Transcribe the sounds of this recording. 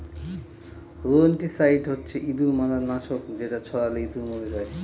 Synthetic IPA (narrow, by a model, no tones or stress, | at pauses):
ɾuonʈisajɖɦotːɕʰeʔibimalanaʃokd͡ʑeʈat͡ɕʰɔɽaleibimobed͡ʑae